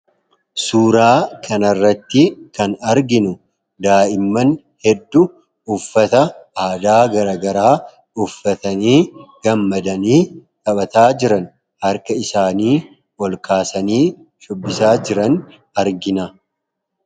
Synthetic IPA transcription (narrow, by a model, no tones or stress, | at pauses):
suːɾaːkʰɐnɐrːɐt̪ːɪkɐnɐɾɡɪnʊ | d̪aːɪmːɐn | hɛd̪ːʊ | ʊfːɐt̪ɐaːd̪aːɡɐɾɐːɡɐɾaː | ʊfːɐt̪ɐniːɡ̥ɐmːɐd̪ɐniːkɐɓɐt̪aːd͡ʒɪɾɐn | hɐɾkɐɪsaːniː | wɔlkaːsɐniː | ʃʊbːɪsaːd͡ʒɪɾɐn | ɐɾɡɪnɐ